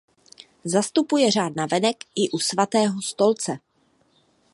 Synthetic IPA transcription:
zast̪upujɛr̝aːd̚navɛnɛkʔɪʔusvat̪ɛːɦost̪o̞lt͡sɛ

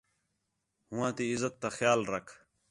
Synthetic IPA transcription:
hʊ̃wãːt̪iɪzət̪ːaxjaːlɾɐkʰ

